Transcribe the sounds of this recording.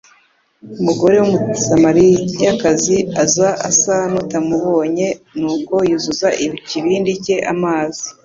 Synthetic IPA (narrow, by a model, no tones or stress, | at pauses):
umuɡo̞ɾe̞womusamaɾijakaziazaʔasanutamuβo̞ːɲe̞nuːko̞jizuzaʔiβiciβiːndice̞ʔamaːzi